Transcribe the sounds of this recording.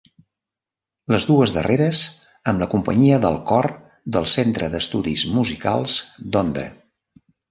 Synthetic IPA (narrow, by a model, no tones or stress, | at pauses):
ləzðuəzðə̰rʔeɾəz | əmləkumpəɲiəðəlˠkɔr | d̪əlˠsent̪ɾəðəst̪uðizmuzika̰lˠzd̪ond̪ə̰